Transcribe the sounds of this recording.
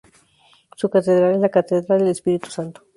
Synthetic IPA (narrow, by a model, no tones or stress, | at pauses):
sukat̪eðɾalezlakat̪eðɾald̪elespiɾit̪u̥sant̪o̥